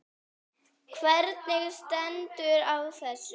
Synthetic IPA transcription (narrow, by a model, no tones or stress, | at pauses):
kʰvɛɾt̪nɪɣst̪ɛnt̪ʏɾawθɛsːʏ